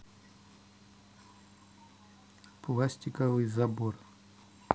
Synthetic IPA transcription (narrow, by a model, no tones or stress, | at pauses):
plˠasʲtʲɪkəvɨjzɐbor